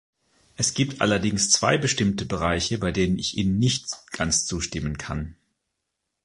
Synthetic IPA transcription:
ʔɛsɡ̥iːp̚tʰʔa̰lɐdɪŋst͡sv̥a̰ɪbəʃtɪmtəbəʁ̞aɪçəbaɪdeːnənɪçʔiːnənːɪçtɡ̥ant͡st͡suːʃtɪmənkʰan

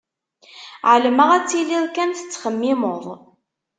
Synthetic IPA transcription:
ʕələməʁæt͡sːiliðˤkænθə̥t͡sːχəmːɪmoðˤ

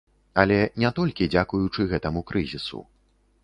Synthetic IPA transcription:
ɐlʲɛnʲɛt̪ɔlʲkʲid͡zʲakujut͡ʂɨɣɛt̪ɐmukɾɨzʲisṵ

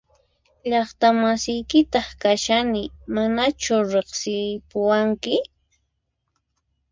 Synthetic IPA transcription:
ʎɑχt̪amasɪjkɪt̪ɑχkaʃanɪmanat͡ʃʊɾeχsɪpʊwaŋkɪ

